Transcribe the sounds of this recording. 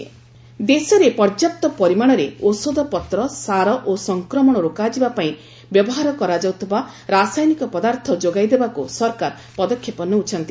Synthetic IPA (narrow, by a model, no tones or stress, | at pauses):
d̪esɔɾepɔɾd͡ʒap̚t̪ɔpɔɾimaɽ̃ɔɾeosod̪ɔpɔt̪ɾɔsaɾɔʔosɔŋkɾɔmɔɽ̃ɔɾokad͡ʒibapaĩ | bjɔbɔɦaɾɔkɔɾad͡ʒawt̪ʰɔba | ɾasajnikɔpɔd̪aɾt̪ʰɔd͡ʒoɡajd̪ebakusɔɾkaɾ | pɔd̪ɔkʰjepɔnuut͡ʃʰɔnt̪i